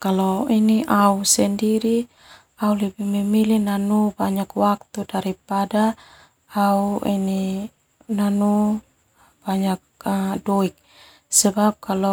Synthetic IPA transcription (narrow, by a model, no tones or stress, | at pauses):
kalɔiniʔausɛndiɾi | aulɛbimɛmilinanubaɲakwak̚t̪udaɾipada | auḭni | nanu | b̥aɲak̚dɔik̚ | sɛbap̚kalɔ